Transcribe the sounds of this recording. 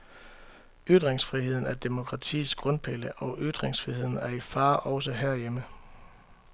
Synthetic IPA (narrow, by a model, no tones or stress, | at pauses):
yd̥ʁeŋsfʁihe̝ð̰ˠn̩æɐd̥e̝mo̝kʰʁɑ̈t͡sʰḭːsɡ̥ʁɔ̽npʰe̝ləʔɒ̽ʔyd̥ʁeŋsfʁihe̝ð̞̰ˠn̩æɐifɑ̈ːʔɒ̽ʊsəɦeɐ̰jemə